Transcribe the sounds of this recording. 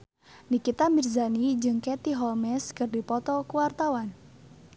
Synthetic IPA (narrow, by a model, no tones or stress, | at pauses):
nikit̪amirzanid͡ʒɨŋkɛt̪iɦɔlmɛskərdipɔt̪ɔkuwart̪awan